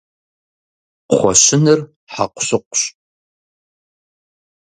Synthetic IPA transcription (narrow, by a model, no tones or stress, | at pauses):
χʷɔ̰ɕɪnɨr | ħa̰qʷʊ̥ɕɨqʷʊɕ